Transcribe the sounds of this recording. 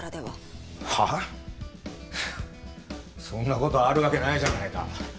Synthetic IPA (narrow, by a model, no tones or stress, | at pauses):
ad̪eβaha | sõ̞nːako̞t̪o̞ːɾɯ̟βake̞naiʑanaika̰